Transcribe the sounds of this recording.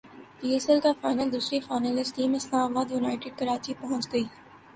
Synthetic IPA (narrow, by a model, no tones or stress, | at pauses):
piːesɛlkafaːɪnəld̪uːsɾifaːɪnəlɪsʈiːmɪslaːmaːbaːd̪juːnaːɪʈɪɖ̚kɐɾaːt͡ʃipɐɦɔ̃t͡ʃɡɐiː